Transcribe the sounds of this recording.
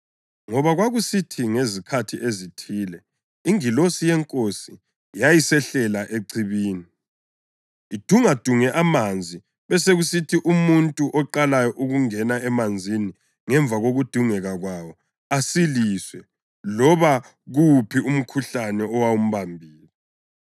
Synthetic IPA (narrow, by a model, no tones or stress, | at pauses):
ŋɔβaɣwaɣusitʰiŋezikʰatʰiʔezitʰiːlɛ | iŋilosijɛŋkʼosi | jajisɛɬɛlaʔeǀiβiːni | id̥ʱuŋad̥ʱuŋɛʔamand͡zʱi | βɛseɣusitʰiʔumuntʼuʔɔǃalajɔʔuɣuŋɛnaɛmand͡zʱini | ŋɛɱvʱaɣoɣud̥ʱuŋɛɣaɣwawɔ | asiliswɛ | lɔβa | ɣupʰium̩kʰuɬanɛɔwaum̩βambʱiːlɛɛ